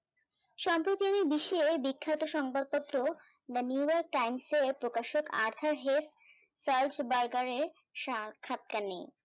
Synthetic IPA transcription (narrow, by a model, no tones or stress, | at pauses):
ʃɔmpɾot̪iamibiʃebikʰːat̪oʃɔŋpaɾ̚pot̪ːɾo | d̪əniujɔɾk̚ʈajmseɾpɾokaʃoka̰ɾt̪ʰaɾɦes | sald͡ʑbaɾɡaɾeɾ | ʃakʰːat̪̚kane